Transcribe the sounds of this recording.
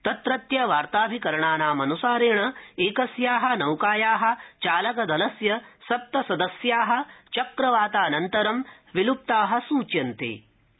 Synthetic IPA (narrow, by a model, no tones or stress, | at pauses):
t̪ɐt̪ɾɐt̪jɐʋaːɾt̪aːbʱikɐɾɐɳaːnaːmɐnusaːɾeːɳɐeːkɐsjaːɦɐ̆nɐwkaːjaːɦɐ̆t͡ʃaːlɐkɐd̪ɐlɐsjɐsɐp̚t̪ɐsɐd̪ɐsjaːɦɐ̆t͡ʃɐkɾɐʋaːt̪aːnɐnt̪ɐɾɐm | ʋilup̚t̪aːɦɐ̆suːt͡ʃjɐnt̪ḛː